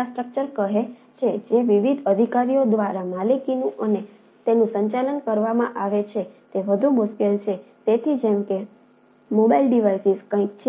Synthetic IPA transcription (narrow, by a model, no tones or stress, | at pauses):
asʈɾək̚t͡ʃəɾkəɦe | t͡ʃʰed͡ʒeʋiʋid̪ʱəd̪ʱikaɾijod̪ʋaɾamalikinũʔəne | t̪enũsəɲt͡ʃalənkəɾʋamã̰ʔaʋet͡ʃʰet̪eʋəd̪ʱumuskelt͡ʃʰet̪et̪ʰid͡ʒemke | mobailɖiʋajsizkə̃ikt͡ʃʰ